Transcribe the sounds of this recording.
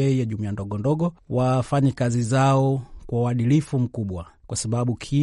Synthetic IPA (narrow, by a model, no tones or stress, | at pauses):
ɛjaʄumiandɔɡɔndɔɡɔwafaɲɛkazizaɔkwauwaɗilifum̩kuɓwakwasaɓaɓukʰi